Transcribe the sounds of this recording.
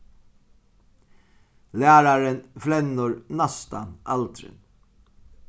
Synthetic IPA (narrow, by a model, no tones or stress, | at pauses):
læːɾaɾənflɛnːʊɹnast̪a̰nalt̪ɾɪ̰n